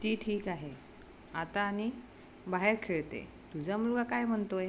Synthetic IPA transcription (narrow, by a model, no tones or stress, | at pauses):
t̪iːʈʰiːkaɦe | at̪aːñi | baɦeɾkʰeɭt̪ḛ | t̪ud͡ʑamuɭɡakajm̤əɳt̪oj